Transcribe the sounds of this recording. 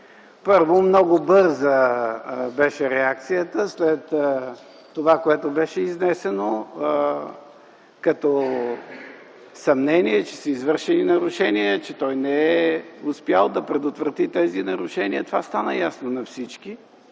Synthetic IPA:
pɤɾvomnɔɡobɤɾzə | bɛʃɛɾɛak̚t̪sijət̪əslɛt̪ː | ovakoɛt̪obɛʃɛiznɛsɛno | kɐt̪ɔ | sɐmnɛniɛt͡ʃɛ̥səizvɤɾʃɛninɐɾʊʃɛniət͡ʃɛt̪ɔjnɛɛʊspjalˠd̪ɐpɾɛd̪ot̪vɾɐt̪it̪ɛzinɐɾʊʃɛniət̪ovast̪anəjasnonɐfsit͡ʃki

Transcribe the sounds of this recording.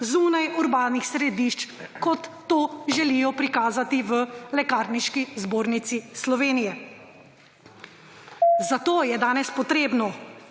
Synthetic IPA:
zuːnajuɾbaːnixsɾɛd̪iːʃt͡ʃkɔt̪ːoːʒɛlijɔpɾikaːzat̪iʋəlɛkaːɾniʃkizboːɾnit̪sislɔʋeːnijɛ | zat̪oːjɛd̪aːnɛspɔt̪ɾeːbnɔ

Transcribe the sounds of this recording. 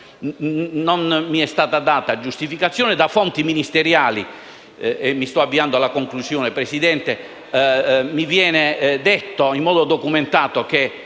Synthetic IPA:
ɔnmiɛst̪aːt̪ad̪aːt̪ad͡ʒust̪ifikat̪sːjɔːnɛd̪afɔnt̪iminist̪eɾjaːlḭ | ɛmːist̪ɔavːiand̪oalakoŋkluzjɔːnɛpɾesid̪ɛnt̪e | mivjɛːnɛd̪ɛt̪ːoimːɔːd̪od̪okument̪aːt̪oke

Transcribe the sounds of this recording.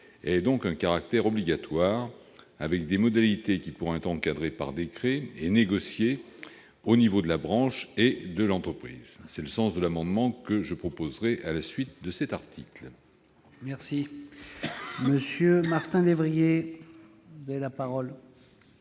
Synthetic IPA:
ɛɛd̪ɔ̃kɛ̃kaʁak̚t̪ɛʁɔbliɡat̪waʁ | avɛk̚d̪emɔd̪alit̪ekʲipuʁɛ̃ɛt̪χɑ̃kad̪ʁepa̰ʁd̪ekχɛeneɡɔsje | onivod̪əlabʁɑ̃ʃed̪əlɑ̃t̪χəpχḭzsɛləsɑ̃sd̪əlamɑ̃d̪mɑ̃kəʒəpχɔpozʁɛʔalasɥit̪̚d̪əsɛt̪aʁt̪ʰikl | mɛʁsi | məsjømaʁt̪ɛ̃levʁije | vuzavelapaʁɔl

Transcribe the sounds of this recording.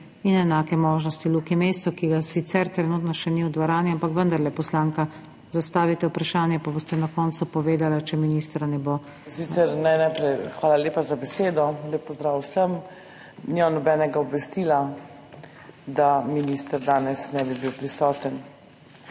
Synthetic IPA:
inɛnaːkɛmoːʒnɔst̪ilukimeːst̪sɔkiɡasit̪sɛɾt̪ɾɛnuːt̪nɔʃɛniud̪ʋaɾaːnjiampakʋənd̪aɾlɛpɔslaːŋka | zast̪aːʋit̪ɛupɾaʃaːnjɛpaboːst̪ɛnakɔnsupɔʋeːd̪alat͡ʃɛminiːst̪ɾanɛbo | siːt̪sɛɾnɛjnajpɾɛjxʋaːlaleːpazabɛseːd̪ɔleːpːɔzd̪ɾaːwsəm | nimanɔbɛːnɛɡaɔbʋɛst̪iːla | d̪aminist̪əɾd̪aːnɛsnɛbibiwpɾisɔːt̪ən

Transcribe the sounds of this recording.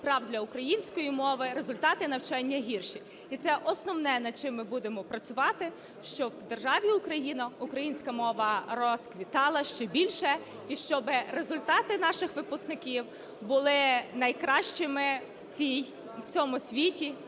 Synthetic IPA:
pɾɑwd̪ʲlʲɐʊkɾɐjinʲsʲkɔjimɔʋɪɾe̞zʊlʲt̪ɑt̪ɪnɐwt͡ʃɑnʲːɐɦʲirʃi | it̪sɛʔɔsnɔwnɛnɐd̪̚t͡ʃɪmːɪbud̪emɔpɾɐt͡sʲʊʋɑt̪ɪ | ʃt͡ʃɔwd̪erʒɑʋʲiʊkɾɐjinɐʊkɾɐjinʲsʲkɐmɔʋɐɾɔskʋʲit̪ɑlˠɐʃt͡ʃɛbʲilʲʃɛ | iʃt͡ʃɔbɪɾezʊlʲt̪ɑt̪ɪnɑʃɪxʋɪpʊst̪nɪkʲiw | bʊlˠɪnɐjkɾɑʃt͡ʃɪmɪwt͡sʲij | wt͡sʲɔmʊsʲʋʲitʲi

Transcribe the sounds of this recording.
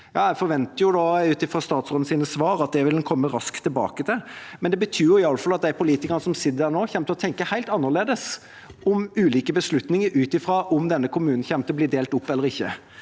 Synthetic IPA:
jɑːjæɪfɔɾʋɛnt̪əjʊd̪ɑʉːt̪ɪfɾɑst̪ɑːt̪sɾoːd̪n̩siːnəsʋɑːɾɑt̪̚d̪ɛʋɪlnkʰɔmːəɾɑskt̪ʰːɪlbɑ̰ːkət̪ʰɪlmɛnd̪ɛbət̪ʰyːjʊɪɑləfɑlɑt̪̚d̪æɪpʰʊliːt̪ɪkənəsɔmsɪd̪ːəd̪æɾnoːçɛmt̪əɔt̪ʰɛŋkəhæɪlt̪ɑnːəʁleːd̪əs | ʔɔmʉːliːkəbəslʉt̪nɪŋəɾʉːt̪ɪfɾɑʔɔmd̪ɛnːəkʰʊmʉːnn̩çɛmt̪əbliːd̪eːlt̪ʊpːɛlːəɾɪçːə

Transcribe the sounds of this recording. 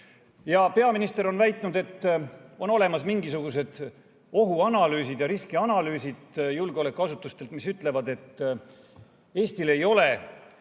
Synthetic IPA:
jɑpe̞ɑminist̪eɾo̞nvæjt̪ˑnud̪e̞t̪ːo̞no̞le̞mɑsmiŋɡisuɡ̥us̬e̞d̪̥ | o̞ɦuɑnɑlyːsid̪̥jɑɾiskiɑnɑlyːsid̪̥julɡ̥eo̞le̞kːˑuɑsut̪ːˑust̪e̞lt̪misyt̪ːˑle̞vɑd̪e̞t̪ː | e̞ːst̪ile̞jo̞le̞

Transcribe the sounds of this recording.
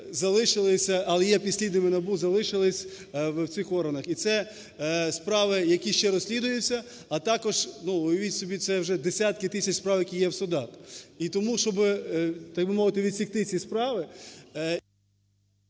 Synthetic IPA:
zɐlˠɪʃɪlˠɪsʲɐʔɐlˠɛjɛpʲisʲlʲid̪nɪmɪnɐbuzɐlˠɪʃɪlˠɪsʲ | ww̪sɪxɔɾɦɐnɐxit̪sɛ | spɾɑʋɪjɐkʲiʃt͡ʃɛɾɔsʲlʲid̪ʊjʊt͡sʲːɐ | ɐt̪ɑkɔʒnuʊjʊʋʲitʲsʲɔbʲit̪sɛwʒɛd̪esʲat̪kɪt̪ɪsʲɐt͡ʃʲspɾɑʋjɐkʲijɛwsʊd̪ɑt̪it̪ɔmuʃt͡ʃɔbɪt̪ɑk̚bɪmɔʋɪt̪ɪʋʲid̪ʲsʲikt̪ɪt͡sʲispɾɑʋɪ

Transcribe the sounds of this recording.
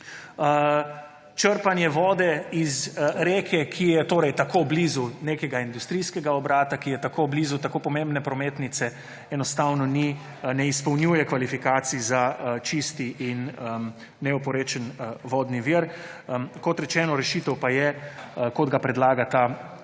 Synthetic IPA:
t͡ʃəɾpanjɛʋɔːd̪ɛizɾeːkʰɛkʰijɛt̪oːɾɛjt̪akoblizuneːkɛɡaind̪ust̪ɾiːskɛɡaɔbɾaːt̪akijɛt̪akʰoːblizut̪akoːpɔmẽmbnɛpɾɔmeːt̪nit̪sɛ | ɛnɔst̪awnɔni | nɛispɔwnjuːjɛkʋalifikaːt̪sizat͡ʃist̪iʔinəː | ɛɔpɔɾeːt͡ʃənʋɔːd̪niʋiɾ | kɔt̪ɾɛt͡ʃɛːnɔɾɛʃiːt̪əwpajɛkɔd̪ɡapɾɛd̪laːɡat̪a

